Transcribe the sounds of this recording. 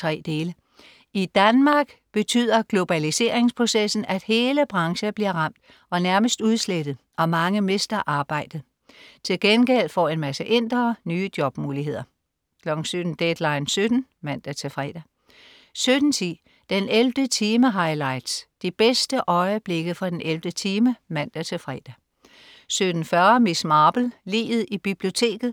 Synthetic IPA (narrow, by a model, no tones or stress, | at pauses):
t͡sʰʁɛ̰ːd̥e̝ːlə | id̥ænmɑ̈ːɡ̥ | b̥e̝t͡sʰy̰ð̰ˠɐɡ̥lo̝b̥ælise̝ːɐe̝ŋspʰʁo̝sesn̩ʔæd̥he̝ːləb̥ʁɑ̈ŋɕɐb̥liɐʁɑ̈m̰d̥ | ʔɒ̽næɐməsd̥uðˠsled̥ð̩ˠʔɒ̽mɑ̈ŋəmesd̥ɐʔɑ̈ːb̥ɑ̈ɪ̰d̥ð̩ˠ | t͡sʰe̝lɡ̥enɡ̥el̰fɒ̰ːe̝nmæsəʔe̝n̰d̥ʁɐnyːd̥jɒ̽b̥muːliɦe̝ð̞̰ˠɐ | kʰlɒɡ̥n̩sy̥n̩d̥ed̥lɑ̈ɪnsød̥n̩ | mæn̰d̥æt͡sʰe̝fʁɛ̰d̥æ | sød̥n̩t͡sʰi | d̥enelfd̥ət͡sʰiːməɦɑ̈ɪlɑ̈ɪd̥sd̥ib̥esd̥əʔɒ̽ɪəb̥le̝ɡ̥əðfʁɑ̈d̥enʔeld̥ət͡sʰiːməmæn̰d̥æt͡sʰe̝lfʁɛ̰d̥æ | sød̥n̩fɶɐmismɑ̈ːb̥l̩lḭːʋð̩ˠib̥ib̥lio̝t͡sʰe̝̰ːɡ̥ð̞̩ˠ